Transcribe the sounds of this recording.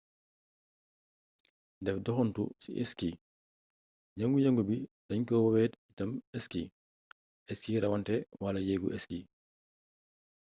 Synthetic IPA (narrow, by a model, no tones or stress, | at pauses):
dɛfdɔxɔntṵsḭʔɛ̰ski | ɟɐŋɡujɐŋɡubid̥ɐɲkɔwɐwɛːtitɐmɛski | ɛskiɾɐwantɛwalɐjɛːɡṵʔɛski